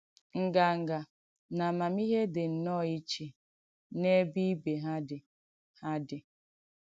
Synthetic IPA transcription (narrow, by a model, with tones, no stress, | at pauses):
ŋ̩˨ɡa˨ŋ̩˨ɡa˨ | na˨ma˨mi˦ɦe˦dɪ˨n̩˨nɔ˦˨i˦t͡ʃe˨ | ne˦bi˦be˨ɦa˦dɪ˨ | ha˦dɪ˨